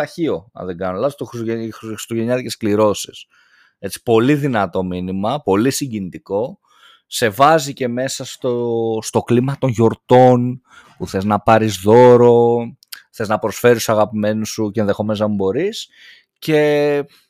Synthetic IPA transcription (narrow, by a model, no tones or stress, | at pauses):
ɐçio̞ɐ̰ðeɡɐnolɐzost̪oxieɾi̥st̪oʝe̞ɲɐðiceskliɾo̞sis | e̞t͡si̥po̞liðinɐt̪o̞minimɐpo̞lisiɲɟinit̪iko̞ | se̞vɐzice̞me̞sɐst̪ost̪o̞klimɐt̪o̞nʝo̞ɾt̪o̞n | puθe̞znɐpɐɾizðo̞ɾo̞ | θe̞znɐpɾo̞sfe̞ɾist̪sɐɣɐpime̞nusucenðe̞xo̞mesɐmbo̞ɾis | ce̞